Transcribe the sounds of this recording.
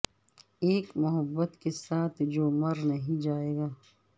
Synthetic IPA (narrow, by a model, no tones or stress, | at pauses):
eːkmʊɦəbːət̪kesaːt̪ʰd͡ʒoːmɐɾnɐɦĩd͡ʒaːeːɡaː